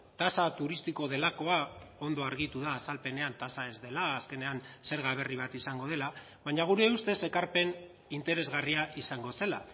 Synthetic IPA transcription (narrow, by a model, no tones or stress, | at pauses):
t̪asat̪uɾist̪iko̞ð̞e̞lako̞ao̞nd̪o̞aɾɣ̞it̪uðaːsalpe̞ne̞ant̪asae̞zðe̞laːske̞ne̞anse̞ɾɣaβ̞e̞riβat̪isaŋɡo̞ðe̞la | βaɲaɣ̞uɾe̞ust̪e̞se̞kaɾpe̞n | int̪e̞ɾe̞zɣariaʔisaŋɡo̞se̞la̰